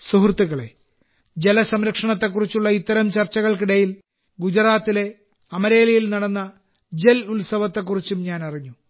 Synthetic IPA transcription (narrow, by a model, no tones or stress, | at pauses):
suɦrt̪ːiɣɐɭe̞̰ | d͡ʑe̞lɐsɐmɾɐkʂɐɳɐt̪ːe̞kːurit͡ɕːuɭːɐit̪ːɐɾɐmt͡ɕɐrt͡ɕːɐɣɐɭkiɽɐjil | ɡud͡ʑɐɾaːt̪ːile̞ | ɐmɐɾe̞ːlɐjilnɐɽɐnːɐ | d͡ʑelulsɐʋɐt̪ːe̞kːurit͡ɕːumɲaːnɐriɲːu